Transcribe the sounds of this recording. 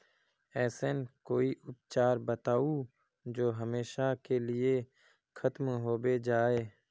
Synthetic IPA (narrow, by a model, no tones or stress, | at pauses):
ɛːsenkoːiʔʊp̚t͡ʃaːɾbət̪aːu | d͡ʒoːɦəmeːʃakelɪe | xʰət̪mɦoːbed͡ʒaːeː